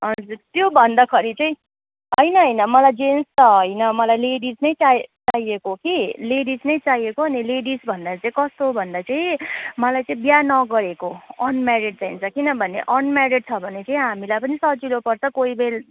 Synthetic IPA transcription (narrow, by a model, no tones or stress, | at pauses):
ʌd͡zurt̪jobʱʌnd̪ʌkʰʌɾit͡sãĩ | ɦʌjnʌɦʌjnʌmʌlajd͡zenst̪ʌɦʌjnʌmʌlajleɽid͡znʌjt͡sat͡saiekokileɽid͡znʌjt͡sajekoɦʌnileɽisbʱʌnd̪at͡sãĩkʌst̪obʱʌnd̪at͡saj̃mʌlajt͡sʌĩbjanʌɡʌɾekoʌnmaɾeɖ̚t͡saint͡sʰʌkinʌbʱʌnḛʔʌnmaɾeɖ̚t͡sʰʌbʱʌnet͡sãĩɦamilajpʌnisʌd͡zilopʌrt͡sʰʌkoibel